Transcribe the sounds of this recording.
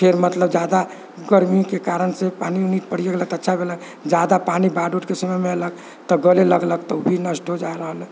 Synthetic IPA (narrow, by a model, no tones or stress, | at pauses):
pʰeɾmət̪ləbd͡ʒad̪a | ɡəɾmikekaɾənsepaniunit̪̚pəɽ̤ijəɡlək̚t̪ətːʃʰabʱelək | d͡ʒad̪apanibaɖuʈkesəməmeələɡ | t̪ɔɡəleləɡləkt̪əubʱinəsʈod͡ʒaɾəɦəl